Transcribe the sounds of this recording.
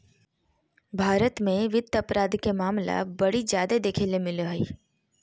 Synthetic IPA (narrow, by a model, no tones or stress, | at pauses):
bʱaːɾət̪mẽʋɪd̪ɐpɾaːd̪kemaːmla̰bɐɽid͡ʒjaːd̪ed̪eːkʰeːlemɪlɦoi